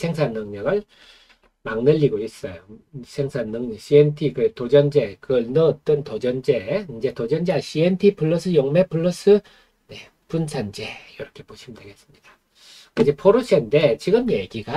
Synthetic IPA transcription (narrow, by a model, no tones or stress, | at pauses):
sʰeŋsʰanːɯŋɲʌɡɯɭ | maŋnɯʎːiɡois͈ʌjosʰeŋsʰanːɯŋɲiɕʰientʰikɯtod͡ʑʌnd͡ʑe̞kɯʌɭnɯt͈ɯntod͡ʑʌnd͡ʑeind͡ʑe̞tod͡ʑʌnd͡ʑeaɕ͈ʰientʰipʰuɭːos͈ʰɯjoŋmepʰɯɭːos͈ɯ | ne | punsʰand͡ʑejʌɾʌkʰe̞poɕʰimdʰaɡes͈ɯ̥mɲid̥a | kɯnd͡ʑepʰoɾuɕʰendet͡ɕiɡɯmjeɡiɡa